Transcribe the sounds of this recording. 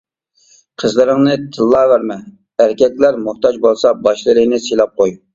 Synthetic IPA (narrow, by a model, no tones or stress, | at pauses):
qʰəzlˠɨɾɨŋnɨt̪ʰɨlˠːɑːvæɾmɛ | æɾkʲɛk̪ʲlæɾmuχt̪ɑd͡ʒbolˠsɑbɑʃlˠɨlɨnɨselˠɑp̚qoj